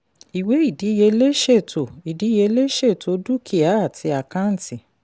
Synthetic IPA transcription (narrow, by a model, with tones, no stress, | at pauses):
i˨we˨˦i˦˨di˨˦je˧le˦ʃe˦˨tʰo˨i˨di˨˦je˧˦le˦ʃe˦˨to˧˦du˦kʰi˦˨a˨˦a˦˨tʰi˧a˨kã˦n̩˨tʰi˨